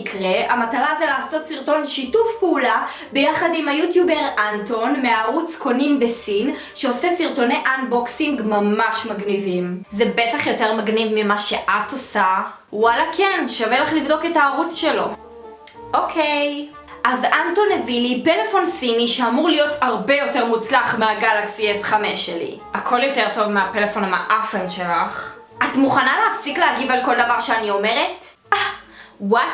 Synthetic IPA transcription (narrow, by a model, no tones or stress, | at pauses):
kʁeamatalazelaːso̞tsiʁto̞nʃitufpeula | be̞jaχadimajutjube̞ʁanto̞nmeaːʁut͡sko̞nimbe̞sin | ʃeose̞siʁto̞ne̞ʔanboksiŋɡmamaʃmaɡnivimzebe̞taχjo̞te̞ʁmaɡnivmimaʃe̞ʔatosa | walakʰenʃaveleχlivdo̞ke̞taːʁut͡sʃelo̞ | ʔokʰej | ʔazantonevilipelefo̞nsiniʃeamuʁlijotaʁbe̞jo̞te̞ʁmut͡slaχmeaɡalaksiesχameʃelḭ | akʰo̞ljo̞te̞ʁto̞vmeapelefo̞nama̰ʔafenʃelaχ | ʔatmuχanaleafsikleaɡivalko̞ld̪avaʁʃeanio̞meʁet | awat